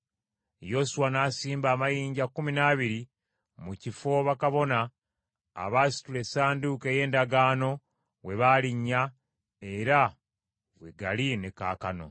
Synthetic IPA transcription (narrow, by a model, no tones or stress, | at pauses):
jo̞suwanaːsiːmbaːmajiːɲɟakːuminaːβiɾi | mucifo̞βakaβo̞na̰ː | βaːsi̥tule̞saːnduke̞ːje̞ːndaɡaːno̞ | we̞βaːliɲːa | e̞ɾa | we̞ɡa̰line̞ka̰ːkano̞̰